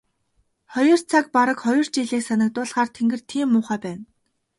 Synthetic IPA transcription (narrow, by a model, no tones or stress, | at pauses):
χɔjɞ̆r̥t͡sʰak̚paɾə̆kχɔjɞ̆r̥t͡ɕiːɮeːksanə̆k̚t̪ʊːɮχaːrt̪ʰeŋɡɘ̆r̥t̪ʰiːmːʊːχæːpæːn